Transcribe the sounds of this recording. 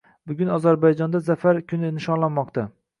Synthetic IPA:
bʊɡʲʊnɒzaɾbajd͡ʒɒnd̪azafaɾkʲʰʊnɪɪnʃɒnlˠanmɒqt̪ʰa

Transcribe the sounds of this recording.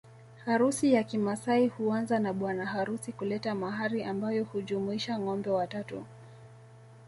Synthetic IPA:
haɾusijakimasaihuanzanaɓwanahaɾusikulɛtamaɦaɾiʔambajɔhud͡ʒumuiʃaŋɔmbɛwatatṵ

